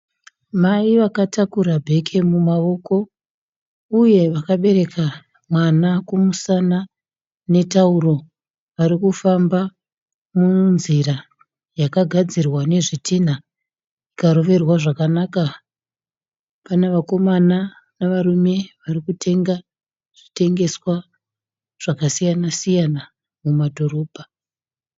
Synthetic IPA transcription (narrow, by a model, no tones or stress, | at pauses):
maiʋakatakuɾabʱe̞kʰe̞mumaʋo̞ko̞ | uje̞ʋakaɓe̞ɾe̞kʰa | mwanakumusana | ne̞tauɾo̞ | ʋaɾikufamba | munziɾa | jakaɡʱad͡zirwane̞ʐitina | ikaɾo̞ʋe̞rwaʐakanaka | paneʋako̞mana | naʋarume̞ʋaɾikutʰe̞ŋɡa | ʐ̥ite̞ŋɡe̞swa | ʐ̥akasijanasijana | mumadʱo̞ɾo̞ːbʱa